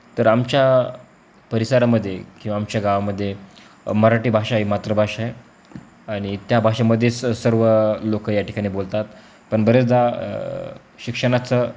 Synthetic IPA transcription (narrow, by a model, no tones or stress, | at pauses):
t̪əɾamt͡ɕja | pəɾisaɾaməd̪ʱːjekĩwʋaːmt͡ɕjaɡaʋaməd̪ʱːje | məɾaʈiːbʱaʂaɦimat̪ɾəbʱaʂae | aɽ̃it̪jabʱaʂaməd̪ʱːjet͡ssəɾʋəlokəjaʈi̥kaɽ̃iːbolt̪at̪ | pəɳbəɾet͡sd͡z̪a | ɕikʂəɽ̃at͡sə